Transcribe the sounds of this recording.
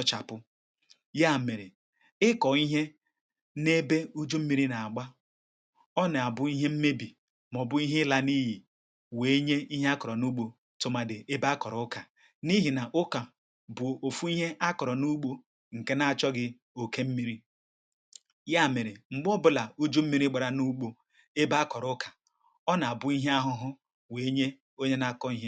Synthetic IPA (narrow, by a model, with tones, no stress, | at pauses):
t͡ʃa˨pʊ˦ | ja˦˨me˨ɾe˨ | ɪ˦kɔ˨i˦ɦe˦ | ne˦be˦u˦d͡ʒo˦m̩˦mi˦ɾi˦na˨a˨ɡ͡ba˦ | ɔ˦nɪ˨a˨bʊ˦i˦ɦe˦m̩˦me˦bi˨ | mɔ˨bʊ˦i˦ɦe˦la˦ni˦ɦi˨ | we˨˦ɲe˦i˦ɦe˦a˦kɔ˨ɾɔ˨nu˦ɡ͡bo˦ | to˨ma˨dɪ˨ʔe˦ba˦kɔ˨ɾɔ˨ʊ˦ka˨ | ni˦ɦi˨na˨ʔʊ˦ka˨ | bʊ˨o˨fu˦i˦ɦe˦ʔa˦kɔ˨ɾɔ˨nu˦k͡po˦ | ŋ̩˨ke˦na˨a˨t͡ʃɔ˦ɡɪ˦ | o˨ke˦m̩˦mi˦ɾi˦ | ja˦˨me˨ɾe˨ŋ͡m̩˨ɡ͡bɔ˦bʊ˦la˨u˦d͡ʒo˦m̩˦mi˦ɾi˦ɡ͡ba˨ɾa˨nu˦k͡po˦ | e˦ba˦a˦kɔ˨ɾʊ˦kʰḁ˨ | ɔ˦na˨a˨bʊ˦i˦ɦe˦a˦ɦʊ˦ɦʊ˦ | we˨˦ɲe˦ | o˦ɲe˦na˦˨kɔ˦i˦ɦe˦